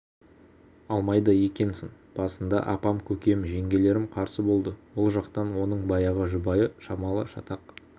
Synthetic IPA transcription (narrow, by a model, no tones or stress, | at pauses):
ɑlˠmɑjd̪əje̞kʲe̞nsɪŋ | b̥ɑsənd̪ɑ̰ʔɑpɑmkʲʰɵkʲe̞mʒe̞ŋɡʲe̞le̞ɾɪmqʰɑɾsəbo̞lˠd̪əwolˠʒɑqt̪ɑnwo̞nəɴbɑjɑʁəʒʊbɑjəʃɑmɑlˠəʃɑt̪ɑq̚